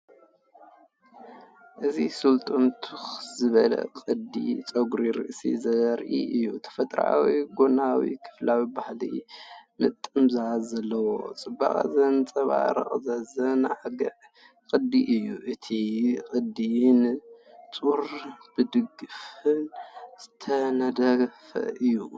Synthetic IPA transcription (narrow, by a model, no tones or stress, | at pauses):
ʔɨzisɨlt̪ʼomt̪ʰuxzɨβɐlɐ̰qʼɨd̪ḭt͡sʼɐɡɾiɾɨ̰ʔsḭzɐɾʔḭʔɨjːut̪ʰɐ̥fɐt̪ʼɾa̰wiɡonawḭkʰɨ̥flawibahlimɨt̪ʼːɨmzazɐlːɐwo̞̰t͡sʼɨbːa̰χʼa̰zɐnt͡sʼɐβa̰ɾɐ̰χʼzazɐnʕaɡɐʕ | kʼɨd̪iʔɨjːuʔɨt̪ʰikʼɨd̪int͡sʼuɾb̥ɨd̪ɨɡɨfɨnz̥ɨt̪ʰɐnɐd̪ɐfɐ̰ʔɨjːu